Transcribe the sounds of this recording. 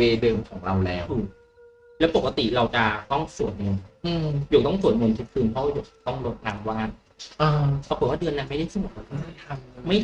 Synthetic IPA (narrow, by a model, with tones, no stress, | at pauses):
weː˧dɤː˧mkʰɔː˩˦ŋɾa˧wlɛː˦˥wɯ˧˩ | lɛː˦˥po˨˩k̚ːa˧t̪i˨˩ɾa˧wt͡ɕa˨˩t̪ɔ˥˩ŋsu˨˩ən̚ŋo˧nʔɯː˧juː˨˩k̚t̪ɔ˥˩ŋsu˨˩ən̚ŋo˧ntʰi˦˥t̚kʰɯː˧npʰɔ˧˦˥wa˧˩wju˨˩t̪ɔ˥˩ŋlo˦˥t̪̚laː˧ŋwaː˥˩n | ʔɤː˧pʰaː˧˥ko˨˩t̚wa˥˩dɯ˧ənːa˧˥nma˥˩jda˥˩jtʰiː˥˩mo˨˩t̚la˧t̪ːŋma˥˩a˥˩t̪ʰa˧mma˥˩